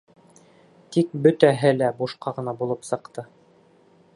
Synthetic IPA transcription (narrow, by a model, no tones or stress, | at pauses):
t̪ik̚bɵt̪æɦɘlæbuʃqɑʁɤ̆nɑbulˠɤpsɤ̆qt̪ɤ